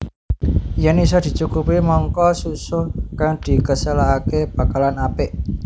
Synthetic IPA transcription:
jɛnis̬ɔd̪̥i̤t͡ʃukupimɔŋkɔsusokaŋd̪̥i̤kəsəlaakeb̥a̤kalanapɪʔ

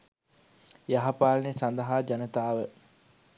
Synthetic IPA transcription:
jɐɦɐpaːlnesɐnd̪ɐɦaːd͡ʒɐnɐt̪aːʋə

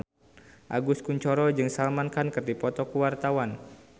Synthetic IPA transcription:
ʔaɡuskuɲt͡ʃɔɾɔd͡ʒɨŋsalmankankɨrdipɔt̪ɔkuwart̪awan

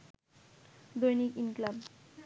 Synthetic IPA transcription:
d̪ojnikinklab

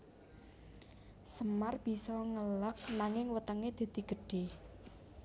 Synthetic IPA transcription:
səmarb̥i̤sɔŋələk̚naŋɪŋwət̪əŋed̪̥e̤d̪̥i̤ɡ̥ə̤ɖ̥e

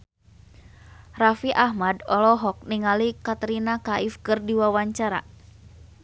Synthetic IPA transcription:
rafiʔahmadɔlɔɦɔk̚niŋalikat̪ɾinakaʔifkɨrdiwawaɲt͡ʃaɾa̰

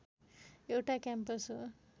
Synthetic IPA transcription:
ewʈakampɐsu

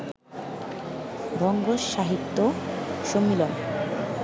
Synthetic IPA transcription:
bʱɔŋɡoʃːaɦit̪ːoʃomːilon

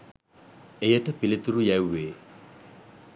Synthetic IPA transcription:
ejəʈəpilit̪uɾujæwʋeː

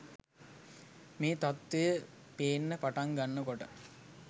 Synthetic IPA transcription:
meːt̪at̪ʋejə | peːnːəpaʈaŋɡanːəkoʈə

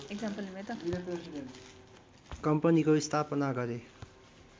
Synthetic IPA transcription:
eɡd͡zampʌlimet̪ʌiɾepɾesiden | kʌmpʌnikoist̪ʰapʌnaɡʌɾe

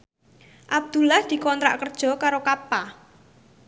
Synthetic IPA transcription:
ʔab̚d̪̥ṳlahd̪̥i̤kɔnt̪ɾa̰ʔkərd̥ʒ̥ɔ̤kaɾokapa

